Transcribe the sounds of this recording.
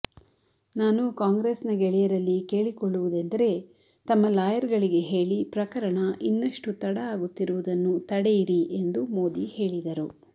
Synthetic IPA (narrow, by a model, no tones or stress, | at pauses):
naːnukaːŋɡɾeːsnɐɡɛɭɛjɐɾɐlːike̞ːɭikɔɭːuʋud̪end̪ɐɾe̞ | t̪ɐmːɐlaːjɐɾɡɐɭiɡe̞ɦe̞ːɭipɾɐkɐɾɐɳɐʔinːɐʂʈut̪ɐɽɐaːɡut̪ːiɾuʋud̪ɐnːut̪ɐɽejiɾiʔe̞nd̪umo̞ːd̪ihe̞ːɭid̪ɐɾu